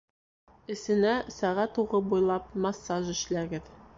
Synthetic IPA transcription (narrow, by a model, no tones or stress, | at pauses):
ɘ̆sɘ̆næsæʁæt̪uʁɤbujlˠɑp̚mɑsːɑʒɘ̆ʃlæɡɘð